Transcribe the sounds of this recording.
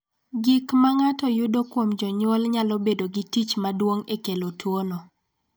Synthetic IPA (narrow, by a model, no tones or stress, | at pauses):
ɡikmaŋatɔjʊdokwomd͡ʒɔɲwolɲalɔbedoɡɪtit͡ʃmadwoŋekelotwonɔ